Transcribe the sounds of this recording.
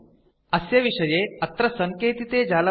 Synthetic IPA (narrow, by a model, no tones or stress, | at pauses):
ɐsjɐʋiʂɐjeɐt̪ɾəsəŋkeːt̪it̪ed͡ʑalɐ